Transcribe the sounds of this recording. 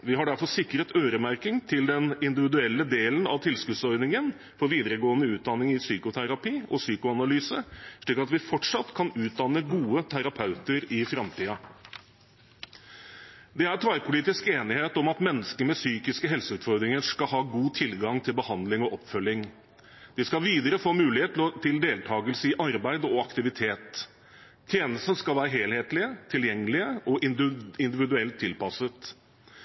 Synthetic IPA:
ʋɪɦɑɖæɾfɔʂɪkːɾət̪ʰøːɾəmæɾkɪŋt̪ʰɪld̪ɛnɪnd̪ɪʋɪd̪ʉɛlːəd̪eːlənɑ̰ʋt̪ʰɪlskʉd̪sɔɾnɪŋən | fɔɾʋiːd̪əɾəɡoːənəʉːt̪̚d̪ɑnɪŋɪsyːkʊt̪ʰæɾɑpiːʔɔsyːkʊɑnɑlyːsəʂɭikːɑt̪ʋɪfɔʈʂɑt̪kʰɑnʉːt̪̚d̪ɑnəɡuːət̪ʰæɾɑpʰɑʉt̪əɾɪfɾɑmt̪ʰiːɑ | d̪ɛæɾt̪ʰɾɑɪpʰʊliːt̪ɪskeːnɪheːt̪ɔmɑt̪mɛnːəskəɾmɛsyːkɪskəɦɛlsəʉːt̪fɔɾd̪ɾɪŋəʂkɑɦɑːɡuːt̪ʰɪlɡɑŋt̪ʰɪlbəhɑnd̪lɪŋɔʔɔpːfœljɪŋ | d̪̥ɪskɑʋiːd̪əɾəfoːmʉːlɪheːt̪ʰlɔt̪ʰɪld̪eːlt̪ʰɑːɡəlsəɪʔɑɾbæɪd̪ɔɑkt̪ɪʋɪt̪ʰeːt̪ʰ | jeːnəsn̩skɑlʋæːɾəɦeːlheːt̪lɪət̪ʰɪljɛŋːəlɪəʔɔʔɪɪnd̪ɪʋɪd̪ʉɛlt̪ʰːɪlpɑsət̪

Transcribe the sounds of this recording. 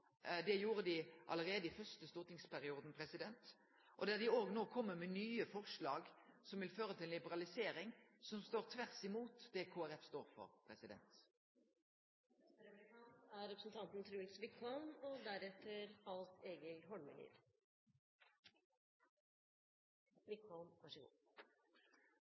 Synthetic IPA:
d̪ɛjuːɾəd̪ɪʔɑ̰ləʁeːd̪əɪfœʁstəst̪ʊːʁt̪ɪŋspʰæʁɪuːd̪n̩pʰʁɛsɪd̪ɛnt̪ | ʔɔd̪æd̪ɪoːɡnoːkʰɔmːəmɛnyːəfɔʁʂɭɑːɡsɔmʋɪlføːɾət̪ʰɪllɪbəʁɑlɪseːɾɪŋsɔmst̪oːʁt̪ʰʋæʁsɪmuːt̪d̪ɛkʰoːæʁɛfst̪oːɾfɔ̰ʁpʰʁɛsɪd̪ɛ̰nt̪ | æɾɛpɾəsn̩t̪ʰɑnt̪n̩t̪ʰɾuːlsʋɪkʰɔlmɔd̪æɾɛt̪ʰːəɾɑlt̪eːɡəlɦɔɳməlḭːd̪ | ʋɪkɔlmɑʂəɡṵ

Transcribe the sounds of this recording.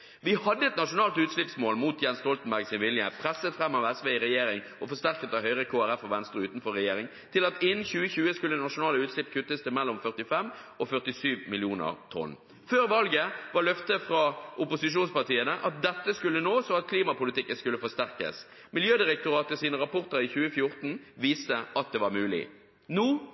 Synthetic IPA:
ʋɪhɑd̪ːəɛt̪nɑʂʊnɑːlt̪ʉːt̪ʂlɪpsmoːlmuːt̪jɛnst̪ɔlt̪n̩bæɾɡsɪnʋɪlɪəpʰɾɛsːət̪fɾɛmːɑʋɛsʋeːɪɾɛjeːɾɪŋ | ʔɔfɔst̪æɾkət̪ɑʋhœʏʁəkʰoːæɾɛfɔʋɛnst̪ɾəʉːt̪n̩fɔɾɛjeːɾɪŋ | t̪ʰɪlɑt̪ɪnn̩çʉːəçʉːəskʉlːənɑʂʊnɑːləʉːt̪ʃlɪpkʰʉt̪ːəst̪ʰəmɛlːɔmfœʁʈ̪ɪfɛmɔfœʁʈ̪ɪsyːʋmɪlɪuːnə̰ʁt̪ʰɔ̰n | føːɾʋɑlɡəʋɑʁlœft̪əfɾɑʔʊpʊsɪʂ̬uːnspɑt̪iːənəʔɑt̪̚d̪ɛt̪ːəskʉlːənoːsɔɑt̪̚kʰliːmɑpʊlɪt̪ɪkːəskʉlːəfɔst̪æɾkə̰s | mɪljøːd̪ɪɾək̚t̪ʊɾɑːt̪əsiːnəɾɑpʰɔʁt̪əɾɪçʉːəfjʊɾt̪n̩ | ʋiːst̪əʔɑt̪̚d̪ɛːʋɑɾmʉːlɪ̰ | nuː

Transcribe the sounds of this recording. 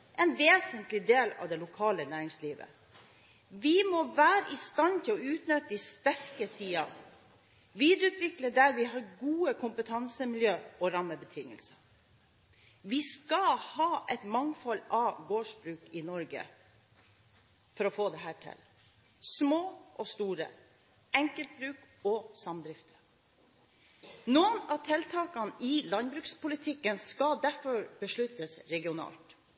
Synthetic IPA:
ʔɛnʋeːsənt̪lɪd̪eːlɑ̰ʋd̪ɛlʊkʰɑːlənæːɾɪŋsliːʋə̰ | ʋɪmɔʋæːɾəʔɪst̪ɑnt̪ʰɪlɔʉːt̪nœt̪əd̪ɪst̪æɾkəsiːɑn | ʋiːd̪əɾʉːt̪ʰʋɪkləɖæɾʋɪɦɑːɾɡuːəkʰʊmpət̪ʰɑnsəmɪljøːɔɾɑmːəbət̪ʰɪŋːə̰lsə | ʋɪskɑhɑːʔɛt̪mɑŋfɔlːɑɡoːʂbɾʉːkɪnɔɾɡə̰ | fɔɾɔfoːd̪ɛɦæːʈʰɪ̰l | smoːʔɔst̪uːɾə̰ | ɛŋkəlt̪̚bɾʉːk | ɔsɑmd̪ɾɪft̪ʰə̥ | nuːənɑt̪ʰɛlt̪ʰɑːkɑnʔɪlɑnbɾʉːkspʊlɪt̪ʰɪkːənskɑd̪æɾfɔɾb̥əʂɭʉt̪əsɾɛɡɪʊnɑ̰ːlt̪

